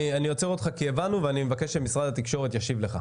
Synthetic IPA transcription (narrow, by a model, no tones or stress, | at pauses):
anijot͡seʁod̪χakievanuveanimevakeʃemisʁad̪hat̪ikʃo̞ʁet̪jaʃivle̞χa̰